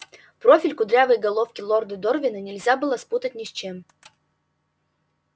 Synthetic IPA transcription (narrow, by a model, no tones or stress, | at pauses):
pɾo̞fʲɪlʲkʊd̪ɾʲavəjɡɐlˠo̞fkʲɪlˠord̪ɨd̪orvʲɪnənʲɪlʲzʲabɨlˠəsput̪ətʲnʲɪsʲt͡ɕem